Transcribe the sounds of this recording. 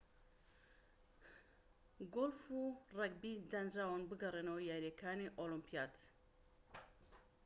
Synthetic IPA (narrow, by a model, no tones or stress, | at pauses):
ɡolfuraɡ̚bid̪ɐnd͡ʒaːwanbɨɡɐrenɐwjaːɾjakʰaːniʔolumpijaːt̪